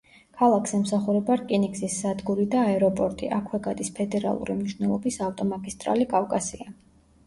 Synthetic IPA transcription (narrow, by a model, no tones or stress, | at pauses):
kʰalˠakʰsɛmsaχuɾɛbaɾkʼiniksisːad̪ɡuɾid̪aːɛɾɔpʼɔɾt̪ʼḭʔakʰwɛɡad̪ʼispʰɛd̪ɛɾa̰lˠṵɾimniʃvnɛlˠɔbisaft̪ʼɔmaɡist̪ʼɾa̰likʼavkʼasia